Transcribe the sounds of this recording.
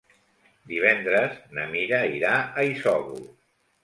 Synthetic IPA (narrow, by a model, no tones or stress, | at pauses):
d̪iβ̞ɛnd̪ɾəznə̰miɾəiɾaəisɔβṵ